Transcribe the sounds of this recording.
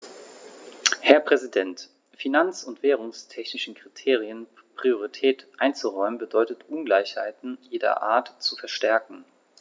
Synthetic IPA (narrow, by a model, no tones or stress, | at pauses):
hɛɐpʁ̥ɛzidɛnt | finant͡sʊntv̥eːʁ̞ʊŋstʰɛçnɪʃn̩kʁ̥itʰeːʁ̞iən | pʁ̥ioʁitʰɛːtʔaɪnt͡suʁɔʏmənbədɔʏtətʔʊnɡlaɪçha̰ɪtn̩jeːdɐ̰ʔa̰ːɐtt͡sufɛɐʃtɛɐkŋ̩